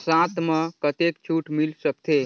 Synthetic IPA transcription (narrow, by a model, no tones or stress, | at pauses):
sãt̪məkət̪ekt͡ʃʰuʈmilsək̚t̪ʰe